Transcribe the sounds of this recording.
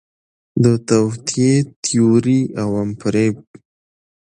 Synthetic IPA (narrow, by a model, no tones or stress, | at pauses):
d̪ət̪awt̪ʰijet̪ʰijoɾiawampɾeb̚